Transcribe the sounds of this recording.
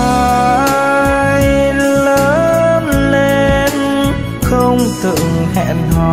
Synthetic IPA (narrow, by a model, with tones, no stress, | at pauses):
ə˨˧ | jləː˨˦nle˧n | xə˧wŋ͡mt̪ɨ̰˨əŋhɛ̰˧˨nhɔ˨˩